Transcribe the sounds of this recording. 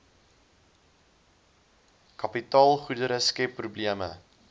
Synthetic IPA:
kɐpitɑːlˠχudəɾəskɛpːrubliəmə̰

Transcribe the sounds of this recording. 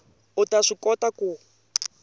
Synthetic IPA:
utaʂikɔtaku

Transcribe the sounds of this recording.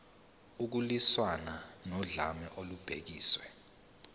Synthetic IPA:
uk̬uliswananɔɮamɛʔolub̥ʱḛk̬iːswɛ

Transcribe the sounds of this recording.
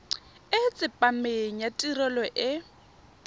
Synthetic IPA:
ɪt͡sʼɪpʼameŋ̩jatʼirɔlɔʔɪ

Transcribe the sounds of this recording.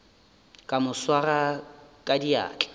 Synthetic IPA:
kʼamʊswarakʼadia̰ːkʼɛ̥

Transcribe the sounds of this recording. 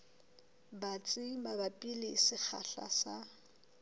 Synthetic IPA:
bat͡sʼɪmabapʼilɪsɪχʰa̰ɬa̰sa

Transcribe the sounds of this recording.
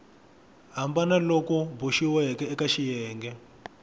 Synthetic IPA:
ɦambanalokɔbuʃiwɛɦɛkɛːkaʃijɛːŋɡɛ

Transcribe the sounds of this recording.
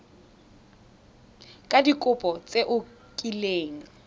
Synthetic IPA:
kʼadikʼʊpʼɔt͡sʼeʔʊ | kʼileːŋ̩

